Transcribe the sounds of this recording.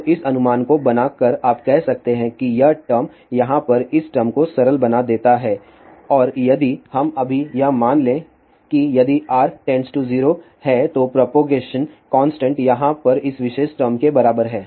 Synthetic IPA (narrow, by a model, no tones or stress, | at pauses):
ʔɪsɐnʊmaːnkobɐnaːkɐɾaːpkɛɦsɐk̚t̪eɦɛ̃kijɐɦʈəɾm | jɐɦãpɐɾɪsʈəɾmkosɐɾəlbɐnad̪eːt̪aɦɛː | ɔːɾjɐd̪ihɐmɐbʱijɐɦmaːnlẽː | kijɐd̪iʔaːɾʈɛ̃nsʈuziːɾo | hɛt̪opɾɔːpoːɡeːʃənkɔ̃ːnsʈə̃ɳʈjɐɦãpɐɾɪsʋɪʃeːʃʈəɾmkebɐɾaːbəɾɦɛː